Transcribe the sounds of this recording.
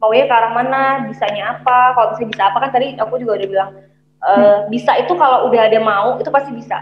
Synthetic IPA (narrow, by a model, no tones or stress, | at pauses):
mauɲakaɾaŋmanabisaɲaːpakalobisabisaːpakant̪adiakud͡ʒuɡaudahbilaŋ | ʔəːbisait̪ukalaudaɦadamauit̪upast̪ibisa̰